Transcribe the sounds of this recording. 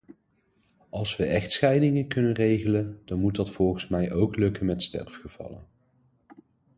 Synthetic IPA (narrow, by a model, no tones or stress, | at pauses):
ɑlˠsʋəʔɛxtsχɛjdɪŋənkɵnənrejɣələnd̥ɑnmutdɑtfɔlˠχənsmɛjʔowklɵkənmɛtstɛ̰rfχəv̥ɑ̰lə̰n